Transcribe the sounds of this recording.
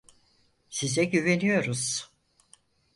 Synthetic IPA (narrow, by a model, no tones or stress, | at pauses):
sizɛɟyve̞nyjo̞ɾuz̥